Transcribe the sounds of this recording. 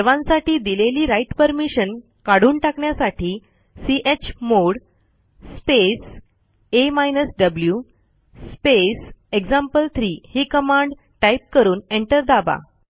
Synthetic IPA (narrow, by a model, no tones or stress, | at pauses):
əɾʋãnsaʈiːd̪ileliːɾaiʈpəɾmiɕən | kaɽ̤uːnʈakɳjasaʈʰiː | siʔet͡ɕmoɽ | spes | emajnəsɖəblju | spesekd͡zãmpəlt̪ʰɾiːhiːkəmãɳɖ | ʈajp̚kəɾuːneɳʈəɾd̪aba̰